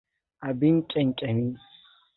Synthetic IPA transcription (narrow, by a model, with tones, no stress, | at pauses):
ʔa˨bɪ˦ŋkʲʼɪ˨ŋkʲʼɐ˨miː˦